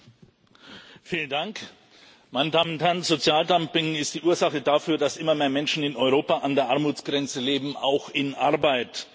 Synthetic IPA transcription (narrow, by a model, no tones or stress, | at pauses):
fiːləndaŋk | maɪnədaːmnthɛɐnzot͡sjaːldampɪŋɪst̚d̥iːʔuːɐzaχədafyːɐdasʔɪmɐmeːɐmɛnʃn̩ɪnɔʏʁ̞oːpaʔandeːɐʔaɐmuːt͡sɡ̥ʁɛnt͡səleːbm̩a̰ʊxɪnʔaɐbaɪt